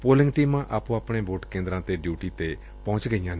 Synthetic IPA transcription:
poːlɪ̃ŋɡʈiːmãːʔaːpũːaːpɽ̃eːboːʈkẽːnd̪ɾãːt̪eɖjuːʈiːt̪e | pɔ̃ʊ̃t͡ʃɡəijãːn

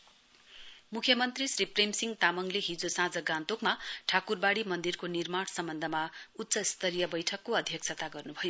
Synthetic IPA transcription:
mukʰjʌmʌnt̪risripremsiŋɡt̪amʌŋleɦid͡zosãd͡zʌɡãnt̪okmaʈʰakurbaɽimʌnd̪irkonirmaɽsʌmbʌnd̪ʱʌmaut̪ːsʌist̪ʌɾijʌbʌjʈʰʌkːoʌd̪ʱjʌkt͡sʰʌt̪aɡʌrnubʱʌjo

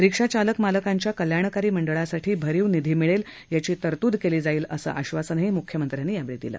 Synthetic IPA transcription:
ɾikʂat͡ɕaləkmaləkaɲt͡ɕjakəljaɳ̃kaɾiːməɳɖəɭasaʈʰiːbʱəɾiːwnid̪ʱiːmiɭel | jat͡ɕiːt̪əɾt̪ud̪keliːd͡zaiːləsə̰ːʔaɕʋasənaɦiːmukʰjəmənt̪ɾjanːiːjaʋɾid̪ilə̰ː

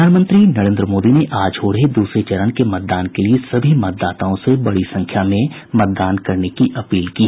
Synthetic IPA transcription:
aːnmə̃nt̪ɾinɐɾẽːnd̪ɾəmoːd̪ineʔaːd͡ʒoːɽɦed̪uːsɾet͡ʃɐɾəñkemɐt̪̚d̪aːnkeliesɐbʱimɐt̪̚d̪aːt̪aõsebɐɽisɐ̃ŋkʰjamẽ | mɐt̪̚d̪aːnkɐɾnekiʔɐpiːlkiːɦ

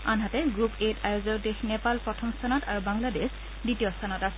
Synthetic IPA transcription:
anɦatɛɡɹupetʰajozɔɹdexnɛpalpɹɔtʰɔmstʰanɔtaɹubaŋlades | ditiɔstʰanɔtasɛ

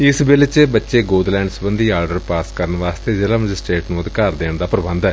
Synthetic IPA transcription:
ɪsbɪlt͡ʃebətːʃeːɡoːd̪lɛ̃ːɳɖsbə̃nd̪iːaːɾɖəɾpaːskəɾənʋaːst̪eːd͡ʒəlaːməd͡ʒɪsʈɾeːʈnũːəd̪kaːɾd̪eːɳd̪aːpɾəbə̃nd̪ɛː

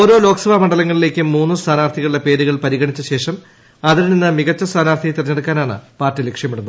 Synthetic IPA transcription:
o̞ːɾo̞ːlo̞ːksɐʋaːmɐɳɖɐlɐŋːɐɭile̞ːkʲːɨmuːnːɨst̪ʰaːnaːrt̪ʰiɣɐɭuepe̞ːɾuɣɐɭpɐɾiɣɐɳit͡ɕːuɕe̞ːʂɐm | ɐðiɾninːɨmiɣɐt͡ɕːɐst̪ʰaːnaːrt̪ʰijt̪irɐɲːeɽɐkːaːnaːɳɨ̰paːrtːilekʂjɐmiɽunːɐ

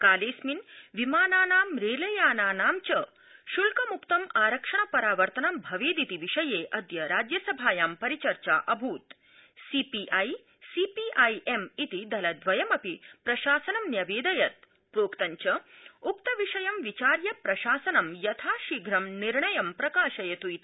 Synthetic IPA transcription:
kaːleːsminʋimaːnaːnaːmɾeːlɐjaːnaːnaːmt͡ʃɐ | ʃulkɐmukt̪ɐmaːɾɐkʂɐɳ̃ɐpɐɾaːʋɐɾt̪ɐnɐmbʱɐʋeːd̪it̪iʋiʂɐjeːʔɐd̪jɐɾaːd͡ʒjɐsɐbʱaːjaːmpɐɾit͡ʃɐɾt͡ʃaːʔɐbʱuːt̪ | siːpiʔaj | sipiʔajemit̪id̪ɐlɐd̪ʋɐjɐmɐpipɾɐʃaːsɐnɐmnjɐʋeːd̪ɐjɐt̪̚ | pɾoːkt̪ɐɲt͡ʃɐuk̚t̪ɐʋiʂɐjɐmʋit͡ʃaːɾjɐpɾɐʃaːsɐnɐmjɐt̪ʰaːʃiɡʱɾɐmniɾɳɐjɐmpɾɐkaːʃɐjɐt̪ujt̪

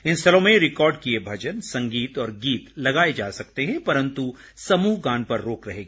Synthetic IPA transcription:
ɪnst̪ʰɐlõmẽɾɪkɔːɾɖkiebʱɐd͡ʒənsɐ̃ŋɡiːt̪ɔːɾɡiːt̪lɐɡaːed͡ʒaːsɐk̚t̪eɦɛ̃pɐɾə̃nt̪u | sɐmuːɦɡãːnpɐɾːoːkɾɐɦeːɡaː

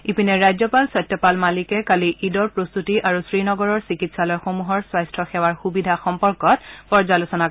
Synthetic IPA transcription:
ipinɛɹajzjɔpalsɔjtːɔpalmalikɛkaliʔidɔɹpɹost̪utiʔaɹusɹinɔɡɔɹɔɹsikitsalɔjxomuɦɔɹswajstʰɔxɛwaɹxubidʱaxɔmpɔɹkɔt̚pɔɹzalusɔna

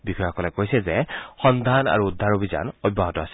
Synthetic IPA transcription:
bikʰɔjɔkɔlɛkojsɛzɛxɔnd̪ʱana̰ɹuːd̪ʱːaɹobʱiza̰nɔjbʱaɦɔtɔasɛ̥

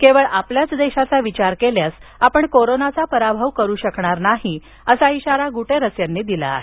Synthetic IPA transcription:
keʋəɭapljat͡sd̪eɕat͡saʋit͡ɕaɾkeljasapəɳkoɾonat͡sapəɾabʱaʋkəɾuːɕəkɳaɾnaɦi | əsaiɕaɾaɡuʈʰeɾəsjanːiːd̪ila̰ːɦe

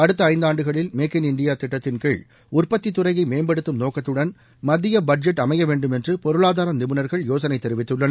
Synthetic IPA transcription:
ɐɽɯt̪ːɐɐɪnd̪aːɳɖɯɣɐɭɪlmeːkɪnɪɳɖɪjaːt̪ɪʈːɐt̪ːɪnkeːɭ | ʊrpɐt̪ːit̪ːʊrɐjɐɪmeːmbɐɽɯt̪ːɯmnoːkɐt̪ːɯɽɐn | mɐðɪjɐbɐɖ̚d͡ʒɛʈːɐmɐɪjɐʋeːɳɖɯmɛndrɯpɔɾɯɭaːðaːɾɐmnɪmɯnɐɾɣɐɭjoːsɐnɐɪt̪ːɛɾɪʋɪt̪ːɯɭːɐnɐ

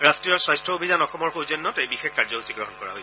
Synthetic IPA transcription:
ɹastɹijɔɹswajstɹɔobʱizanɔxɔmɔɹxozɔnːɔtejbixekkːaɹzɔbusiɡɹɔɦɔnkɔɹa̰ɦoj

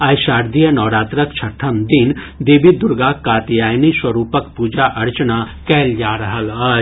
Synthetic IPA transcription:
ɐjʃaːɾd̪ijənɔːɾaːt̪ɾəkt͡ʃʰɐʈʰəmd̪ɪn | d̪eːbid̪ʊɾɡakaːt̪jaːjniswəɾuːpəkpuːd͡ʒaʔɐɾt͡ʃnakɛːld͡ʒaːɾəɦəlɐːd͡ʒ

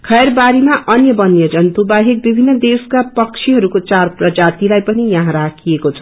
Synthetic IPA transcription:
kʰʌjrbaɾimaʔʌnjʌbʌnjʌd͡zʌnt̪ubaɦek̚bibʱinːʌd̪eskapʌkt͡sʰiɦʌɾukot͡sarprʌd͡zat̪ilajpʌnijʌɦãɾakʰiekot͡sʰʌ̥

